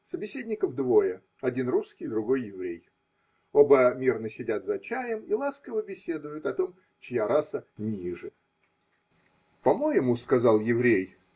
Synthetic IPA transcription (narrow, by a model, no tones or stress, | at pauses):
səbʲɪsʲedʲnʲɪkəvd̪vo̞jə | ɐdʲinruskʲɪjd̪ɾʊɡo̞jːɪvɾʲej | o̞bəmʲirnəsʲɪdʲat̪zɐt͡ɕæjəmilˠaskəvəbʲɪsʲe̞d̪ʊjʊt̪ɐt̪o̞m | t͡ɕɪjaɾasənʲiʐɨ | pɐmo̞jɪmuskɐzɑlˠjɪvɾʲej